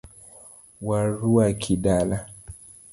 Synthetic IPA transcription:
waɾuakʰiɗala

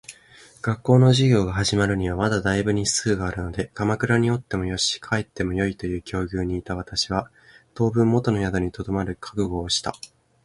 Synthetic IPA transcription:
ɡ̥akːo̞ːno̞ʑiɡʲo̞ːɡaɦaʑimaɾɯ̟ɲ̟iβ̞amad̪ad̪aibɯ̟ɲ̟isɨːɡaːɾɯ̟no̞d̪e̞kamakɯ̟ɾaɲ̟io̞t̪ːe̞mo̞jo̞ɕi̥kʰaet̪ːe̞mo̞jo̞it̪o̞jɯ̟ːkʲo̞ːɡʲɨːɲ̟iːt̪aβat̪aɕiβ̞a | t̪o̞ːbɯ̟̃mːo̞t̪o̞no̞jad̪oɲ̟it̪o̞d̪o̞maɾɯ̟kʰḁkɯ̟ɡo̞ːɕi̥t̪a̰

